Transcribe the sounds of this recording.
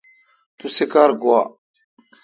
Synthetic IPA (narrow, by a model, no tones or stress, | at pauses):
t̪usikaɾɡwa